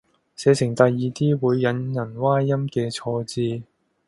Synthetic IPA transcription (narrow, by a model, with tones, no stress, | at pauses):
sɛː˨˧t͡sʰɪ˨˩ŋt̪ɐ˨jːiː˨t̪iː˥wuː˨˧jːɐ˨˧njɐ˨˩nwaː˥jɐ˥mkɛː˧t͡sʰɔː˧t͡siː˧